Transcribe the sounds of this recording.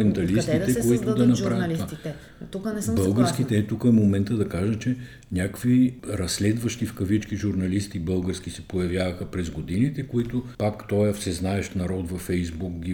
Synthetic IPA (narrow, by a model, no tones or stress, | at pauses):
ɛnt̪ɐlist̪it̪ɛkoit̪ʊd̪ɐnɐpɾavət̪ovaiɛ | t̪ukənɛsbəlˠɡəɾsk̟it̪ɛːt̪ukəmomɛnt̪əd̪ɐkaʒət͡ʃɛ | nʲakviɾɐsːlɛd̪vɐʃt̪ifkɐvit͡ʃkiʒuɾnɐlist̪ibɤlˠɡəɾskʲisɛpojɐvjavɐxəpɾɛzɡod̪init̪ɛkoit̪ʊpakt̪ɔjɐfsɛznaɛʃt̪nɐɾɔt̪vɐfɛjzbukɡʲi